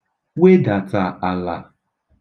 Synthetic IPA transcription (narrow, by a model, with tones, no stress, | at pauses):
we˦da˨ta˨a˨la̰˨